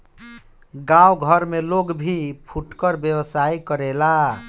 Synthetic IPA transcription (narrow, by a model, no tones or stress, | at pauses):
ɡãwɡʱəɾmeloɡbʱipʰuʈkəɾbjewəsaikəɾela